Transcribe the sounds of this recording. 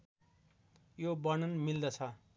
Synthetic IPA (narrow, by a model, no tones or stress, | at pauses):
jobʌnʌnmild̪ʌt͡sʰʌ